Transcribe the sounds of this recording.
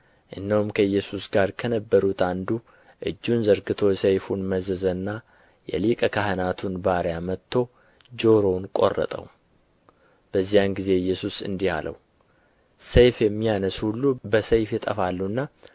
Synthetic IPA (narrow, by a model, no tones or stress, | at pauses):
ʔɨnːəwumkʰəjːɛsusɡaɾkʰənəbːəɾut̪and̪u | ʔɨ̰d͡ʒːunzəɾɡɨt̪ʰo̞jsejfunməzəzənːa | jɛ̰likʼəkʰaɦənat̪ʰunbaɾjamət̪ʰːo̞ | d͡ʒo̞ɾo̞nkʼo̞̰rːə̰t̪ʼə̰w | b̥əzːijanɡize̞ɨjːɛsusɨ̰nd̪iha̰lə̰w | sejfjɛmːijanəshulːubəsəjfjɛt̪ʼəfalːuɨnːa